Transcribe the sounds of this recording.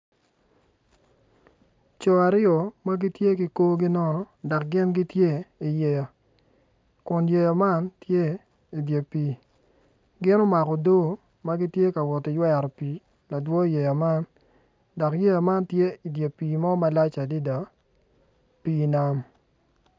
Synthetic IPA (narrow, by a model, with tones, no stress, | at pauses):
t͡ʃɔ˨a˨ɾɪjɔ˨ma˦ɡi˦tje˦ki˨ko˦ɡi˦nɔ˦nɔ˨ | dɔ˨k̚ɡɪ˦nɡi˦tje˦i˨je˨ja˨ | kʊ˨nje˨ja˨ma˦ntje˦ | i˨dje˨piː˨˦ | ɡɪ˦no˦ma˨kɔ˨do˦ | ma˦ɡi˦tje˦ka˨wɔ˨tɪ˨jwɛ˦ɾɔ˨pi˨˦ | la˨dwɔ˦i˨je˨ja˨ma˦n | dɔ˨kje˦ja˨ma˦ntje˦i˨dje˨piː˨mɔ˦ma˦la˦t͡ʃa˨di˦da˨ | pi˦na˦m